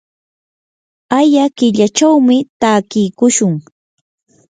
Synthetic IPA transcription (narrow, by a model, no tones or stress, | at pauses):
ajakɪʎat͡ʃawmɪt̪aːkɪjkʊʃʊŋ